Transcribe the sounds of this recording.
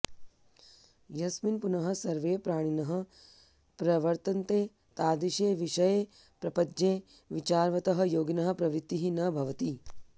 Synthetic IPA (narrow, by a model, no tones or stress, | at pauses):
jɐsminpunɐɦɐ̆sɐɾʋeːpɾaːɽ̃inɐɦɐ | pɾɐʋɐɾt̪ɐnt̪eː | t̪aːd̪iʃeːʋiʃɐjeː | pɾɐpɐd͡ʒeː | ʋit͡ʃaːɾʋɐt̪ɐɦɐ̆joːɡinɐɦɐ̆pɾɐʋɾit̪ːiɦinɐbʱɐʋɐt̪i